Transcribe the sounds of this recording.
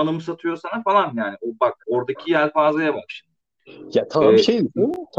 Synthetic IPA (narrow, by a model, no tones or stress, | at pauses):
anɯmɯsat̪ʰɯjo̞sanafalˠanjaːniʔobak̚o̞ɾd̪acʰijæɾʲfaːzˠajabaʃ | jat̪ʰaabiʃejd̪isit̪ʰ